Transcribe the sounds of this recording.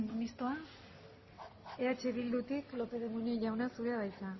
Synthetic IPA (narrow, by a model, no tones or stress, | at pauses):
mist̪oa | e̞at͡ʃe̞βild̪ut̪iklo̞pe̞ðemuɲoʝawnasuɾeaβajt͡sa